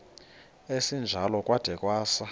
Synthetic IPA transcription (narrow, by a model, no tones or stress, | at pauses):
esind͡ʒʱalɔkʼwad̥ʱɛkʼwaːsa